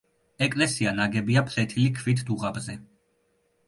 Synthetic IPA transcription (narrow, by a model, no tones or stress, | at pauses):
ɛkʼlɛsianaɡɛbiapʰlɛt̪ʰilikʰvit̪ʰd̪uʁabzɛ